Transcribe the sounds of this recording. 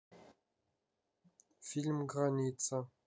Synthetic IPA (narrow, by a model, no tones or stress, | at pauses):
fiɮmɡʁaniːt͡sʼʰɐ